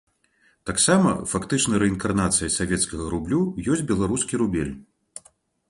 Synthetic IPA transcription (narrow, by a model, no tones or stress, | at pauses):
t̪aksamɐ̰fakt̪ɨt͡ʂnɐjɾɛinkarnat̪sɨjɐsavʲɛt̪skɐɣɐɾublʲujɔsʲt͡sʲbʲɛlˠaɾuskʲiɾubʲelʲ